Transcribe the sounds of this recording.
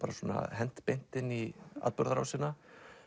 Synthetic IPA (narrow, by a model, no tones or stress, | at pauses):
aɾasɔna̰ɦɛn̥t̪pejn̥t̪ɪnia̰ðpœɾðaɾa̰wsɪːna